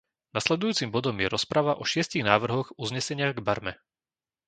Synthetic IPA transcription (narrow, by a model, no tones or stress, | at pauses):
naslɛd̪ujuːt͡simbɔd̪ɔmjɛɾɔspɾaʋaʔɔʃɪɛsciɣnaːʋr̩ɦɔɣuzɲɛsɛɲɪaɣɡbaɾmɛ